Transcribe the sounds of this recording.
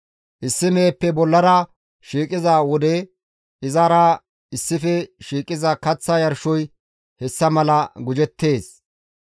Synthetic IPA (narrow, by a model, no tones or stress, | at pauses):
ʔɪsːɪmeːpːɛbɔlːɐɾɐ | ʃiːkʼɪzaːwɔd̪ɛ | ɪzaɾa | ɪsːɪfɛʃiːkʼɪzɐkɐt͡sːɐjɐɾʃɔj | hɛsːɐmɐlɐɡʊd͡ʒɛt̪ːe̞ːs